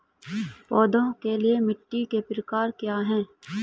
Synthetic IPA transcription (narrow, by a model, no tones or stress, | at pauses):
pɔːd̪õkeliemɪʈːikepɾəkaːɾkjaːɦɛ̃ː